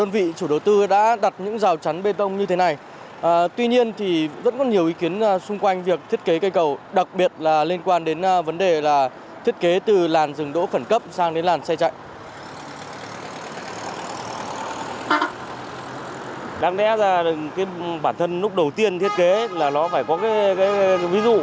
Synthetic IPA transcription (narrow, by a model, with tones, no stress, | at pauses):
ɗə˧nvḭ˧˨t͡ɕu˧˩ɗə˨˩wt̪ɨ˧ɗa̰ː˧˥ɗa˨˩t̚ɲɨ̰˧˥ŋzaː˨˩wt͡ɕa˨˦nɓe˧t̪ə˧wŋ͡mɲɨ˧t̪ʰe˨˦na˨˩j | ʔəː˨˩t̪wi˧ɲi˧ənt̪ʰi˨˩zə̰˦˧˥nkɔ˨˦nɲi˨˩əwʔi˨˦ki˨˦ənː˧sʊ˧ŋ͡mkwa˧jŋ̟vi˨˩ək̚t̪ʰi˦˥ət̚ke˨˦kə˧jkə˨˩wɗa˨˩k̚ɓi˨˩ət̚laː˨˩li˧ənkwaː˧nɗe˨˦n˧və˨˦nɗe˨˩laː˨˩ | t̪ʰi˦˥ət̚ke˨˦t̪ɨ˨˩laː˨˩nzɨ˨˩ŋɗo̰˧˥xə˧˩nkə˦˥p̚saː˧ŋɗe˨˦nlaː˨˩nsa˧jt͡ɕa̰˧˨jʔ | ɗaː˨˧ŋɗɛ̰˧˥zaː˧˩ɨ˨˩ŋkaː˨˦jɓaː˧˩nt̪ʰə˧nlʊ˦˥k͡p̚ɗə˨˩wt̪i˧ənt̪ʰi˦˥ət̚ke˨˦laː˨˩ɗɔ˨˦faː˧˩jkɔ˨˦kaː˨˦jkaː˨˦jvi˨˦zṵ˧˨